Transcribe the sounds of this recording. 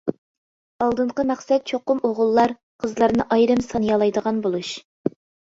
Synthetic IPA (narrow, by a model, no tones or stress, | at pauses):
ɑlˠd̪ɨɴqəmæχsɛt̪̚t͡ʃʰoqʊmoʁəlˠːɑɾ | qʰəzlˠɑɾnɨʔɑjɾɨmsɑnjɑlˠɑjd̪əʁɑnbolˠuʃ